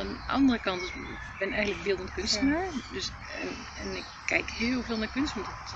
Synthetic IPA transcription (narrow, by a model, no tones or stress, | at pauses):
anʔɑ̰ndərəkɑnt | b̥ɪnɛjɣəntləkbɪlˠdəntkʏnstənaɹdøs | ɛnɪkːɛjkheːlˠveːlˠnaːɹkʏnst̩tɔt